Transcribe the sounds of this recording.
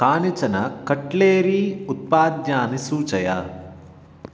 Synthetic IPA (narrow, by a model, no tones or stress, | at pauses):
kaːnit͡ʃɐnɐkɐʈleːɾiːut̪̚paːd̪jaːnisuːt͡ʃɐja